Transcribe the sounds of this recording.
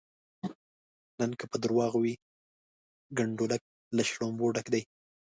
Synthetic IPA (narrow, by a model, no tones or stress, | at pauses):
nənkəpəd̪əɾwɑɣwi | ɡaɳɖolak̚ | laʃlomboɖakd̪aj